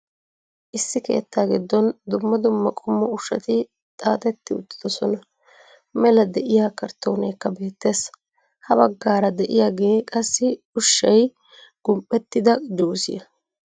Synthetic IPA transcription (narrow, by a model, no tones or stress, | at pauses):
ʔɪsːɪke̞̰ːt̪ːaːɡɪd̪ːɔnd̪ʊmːɐd̪ʊmːɐkʼʊmːɔʊʃɐt̪ɪ | t̪ʼaːt̪ʼɛt̪ːɪʊt̪ːɪ̥d̪ɔsɔnɐ | mɛlɐd̪ɛʔɪjaːkɐɾt̪ːoːnɛjkːɐbe̞ːt̪ːe̞ːs | hɐbɐɡːaːɾɐd̪ɛʔɪjaɡe̞ːkʼɐsːɪ | ʊʃːɐj | ɡ̥ʊmpʼːɛt̪ːɪd̪ɐd͡ʒuːsɪjɐ